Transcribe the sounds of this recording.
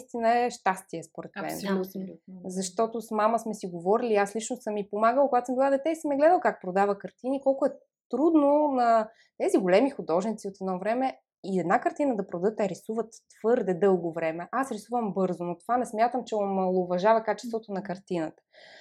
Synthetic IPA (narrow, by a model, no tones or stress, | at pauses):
st̪inəɛʃt̪ast̪iɛspoɾɛt̪mɛ̰n | zɐʃt̪ɔt̪osmaməsmɛsiɡovɔɾiliːaslit͡ʃnossɤmːipomaɡəlˠkoɡat̪səmbilˠad̪ɛt̪ɛisimɛɡlɛd̪əlˠkak̚pɾod̪avəkɐɾt̪inikɔlˠkʊɛ | t̪ɾud̪nonɐ | t̪ɛziɡolɛmixʊd̪ɔʒnit̪siot̪ɛd̪nɔvɾɛmɛ | iɛd̪nakɐɾt̪inəd̪ɐpɾod̪ət̪ɛɾisuvət̪ːv̥ɤɾd̪ɛd̪ɤlˠɡovɾɛmɛʔasɾisuvəmbɤɾzonot̪ovanɛsmʲjat̪əmt͡ʃɛomɐlˠoʊvɐʒavɐkat͡ʃɛ̥st̪vot̪onɐkɐɾt̪inət̪ə̥